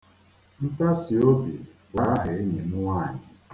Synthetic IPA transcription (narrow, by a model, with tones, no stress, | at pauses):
n̩˦ta˦si˨o˦bḭ˨wa˨˦ɦɪ˨e˦ɲe˨mʊ˦wa˦˨ɲɪ˨